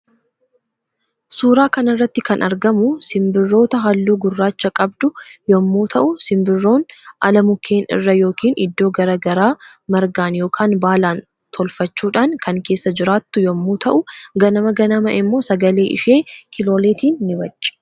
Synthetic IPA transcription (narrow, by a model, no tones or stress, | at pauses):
suːɾaːkɐnɐrːɐt̪ːɪkɐnʔɐɾɡɐmʊsɪmbɪrːo̞ːt̪ɐɦɐlːuːɡʊrːaːt͡ʃːɐkʼɐbd̪ʊjɔmːuːt̪ʰɐʔʊsɪmbɪrːo̞ːnʔɐlɐmʊkʰːeːnɪ̰rːɐjo̞ːkiːnʔɪ̰d̪ːo̞ːɡɐɾɐɡɐɾaːmɐɾɡaːnjo̞ːkʰaːnbaːlaːn | t̪ʰɔlfɐt͡ʃːuːᶑaːŋkʰɐŋke̞ːsːɐd͡ʒɪɾaːt̪ːʊjɔmːuːt̪ʰɐʔʊɡɐnɐmɐɡɐnɐmɐʔɪmːo̞ːsɐɡɐle̞ːʔɪ̰ʃeːkʰɪlo̞ːleːt̪iːnːɪbɐt͡ʃʼːɛ̥